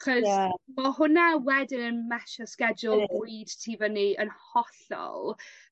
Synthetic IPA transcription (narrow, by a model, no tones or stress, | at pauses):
χɔzmahʊnawɛdɪnənmaʃɔskɛdʊlˠvuɨd̥tʰiːvəniːənhɔɬɔ̰lˠ